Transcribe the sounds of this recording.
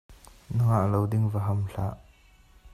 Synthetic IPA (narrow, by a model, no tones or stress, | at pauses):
nʊŋaʔlowdɪŋvaɦɐmɬa̰ʔ